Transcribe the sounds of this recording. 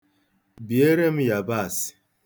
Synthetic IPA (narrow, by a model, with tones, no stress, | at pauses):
bi˨e˦ɾe˦m̩˦ja˨ba˦˨sɪ̥˨